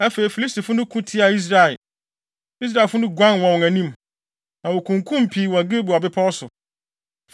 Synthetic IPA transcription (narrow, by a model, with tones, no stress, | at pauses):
æ˦fe˨i˨fi˨li˦sti˨fʊ˦nʊ̃˦kʰũ˦tʰi˦a˨i˦s̬ɾa˨ɪ˨l | i˦s̬ɾa˦˨ɪ˨fʊ˦nʊ̃˦ɡʷã˦nwɔ̃˨wʊ̃˨ŋæ̃˨nĩ˦m | nã˨wo˨kʰũ˨ŋkʰũ˦m˨pʰi˨wɔ˨ɡe˦bu˨a˨bɪ˦pʰa˦ɔ˦sʊ˨